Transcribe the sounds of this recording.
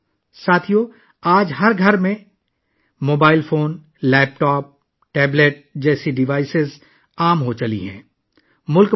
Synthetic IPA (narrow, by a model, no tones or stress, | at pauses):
saːt̪ʰijo | aːd͡ʒɦɐɾɡʱɐɾmẽ | moːbaːɪlfoːn | lɛːp̚ʈɔːp̚ | ʈɛːbleʈ̚d͡ʒɛːsiɖɪʋaːɪsɪz | aːmɦot͡ʃɐlḭɦɛ̰̃ː | mʊlk